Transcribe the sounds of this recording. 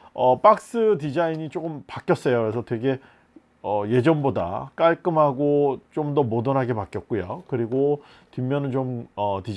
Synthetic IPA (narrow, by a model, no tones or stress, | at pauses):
ʌp͈ak̚s͈ɯt̬id͡ʑaiɲit͡ɕ͈ok͈ɯmpak͈jʌs͈ʌjokɯɾe̞sʰʌtwe̞ɡe̞ | ʌje̞d͡ʑʌnboda̰k͈aɭk͈ɯmɦaɡot͡ɕ͈omdʌmodʌnɦaɡe̞pak͈jʌt̚k͈ujokɯɾiɡo | timːjʌnɯnt͡ɕomʌtid͡ʑ